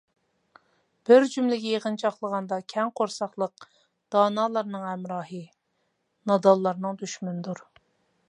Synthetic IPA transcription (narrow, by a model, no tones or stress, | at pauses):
b̥ɪɾd͡ʒymlɪɡʲɛjeʁənt͡ʃʰɑχlˠəʁɑnd̪ɑkʲʰɛŋqʰoɾsɑχlˠəq̚ | d̪̥ɑːnɑːlˠɑɾnɨŋhɛmɾɑːɦɨ | nɑd̪ɑlˠːɑɾnɨŋd̪yʃmynd̪uɾ